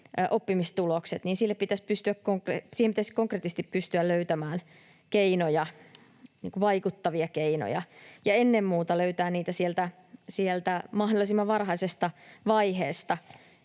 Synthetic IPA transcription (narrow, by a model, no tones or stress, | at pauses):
ʔopːimist̪ulokset̪niːnsilːepit̪æspyst̪yækkoŋkresiːhempit̪æskoŋkret̪ːˑist̪ippyst̪yælløyt̪æmæːn | keinojɑ | nḭːŋkuʋɑikut̪ːɑʋiɑkeino̰jɑ̰jɑenːemmuːt̪ɑløyt̪æːnniːt̪æsielt̪æ | sielt̪æmɑhdolːˑisimːɑʋɑrhɑisest̪ɑʋɑiheːst̪ɑ